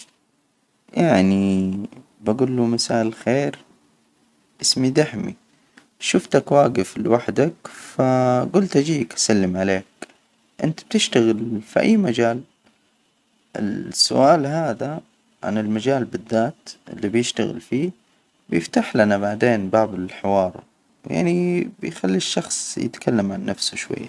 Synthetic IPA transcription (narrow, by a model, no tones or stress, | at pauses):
jaʕni | baɡuːlːumasaːʔɪlxeːɾ | ʔɪsmid̪aħmḭ | ʃʊft̪akwaːɡɪflɪwaħd̪akfaɡʊlt̪ʔad͡ʒiːkʔḁsalːɪmʕaleːk | ʔɪnt̪ab̥̚t̪ɪʃt̪aɣɪlfḭʔa̰jːmad͡ʒaːl | ʔɪ̰lsːʊ̰ʔaːlɦaːða | ʕa̰nɪlmad͡ʒaːlbɪðːaːt̪ʔɪ̰lːibjɪʃt̪aɣɪ̰lfiː | bjɪft̪aħlanabaʕd̪eːnbaːbɪlɪlħɪwɑːɾˤ | wja̰ʕnibɪjxalːiʃːɑxsˤjɪ̰t̪kʰalːamʕanːafsuʃwa̰jːa̰